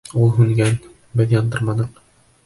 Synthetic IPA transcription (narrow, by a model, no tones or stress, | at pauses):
ulˠɦʉŋɡæn | bɘðjɒnd̪ɤɾmɑnɤ̆q